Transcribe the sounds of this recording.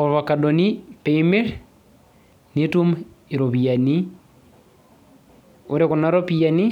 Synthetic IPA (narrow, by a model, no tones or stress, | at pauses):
ɔβakadonipeimeɾ | nitumiɾoβiani | oɾekonaɾopiani